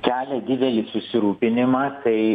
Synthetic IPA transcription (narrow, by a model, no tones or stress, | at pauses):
kʲæːlʲɛd̪ʲɪd̪ʲɛlʲɪsʊsʲɪɾuːpʲɪnʲɪmɑːt̪ɐɪ